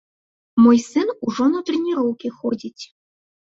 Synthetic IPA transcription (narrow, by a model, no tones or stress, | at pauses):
mojsɨnuʐonot̪rʲenʲiɾowkʲixodʲitʲ